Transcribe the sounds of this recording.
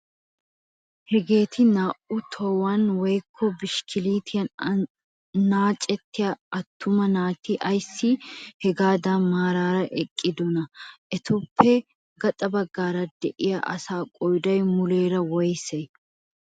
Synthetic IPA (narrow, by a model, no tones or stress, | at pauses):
hɛɡe̞ːt̪ʰɪnaːʔʊt̪ʰɔwanwɛjkʰːɔbɪʃkʰɪliːt̪ʰɪjɐn | naːt͡ʃʼːɛt̪ːɪjaɐt̪ːʊmɐnaːt̪ɪʔɐjsːɪhɛɡaːd̪aːmaːɾaːɾɐʔɛkʼːɪd̪ɔnɐʔɛt̪ʊpʰːɛ | ɡɐt̪ʼɐbɐɡːaːɾɐd̪ɛʔɪja̰ʔɐsaːkʼɔjd̪ɐjmʊleːɾɐwɔjsɛj